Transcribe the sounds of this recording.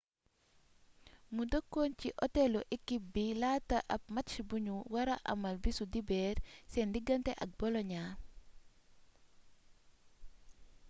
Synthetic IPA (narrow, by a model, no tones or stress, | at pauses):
ŋudəkːoːnciʔɔtɛlɔʔɛkːibilaːtːɐʔɐp̚mɐtʃibuɲuwɐɾɐʔɐ̰mɐlbisudibɛːɾsɛndiɡɐntɛʔɐk̚bɔlɔɲaː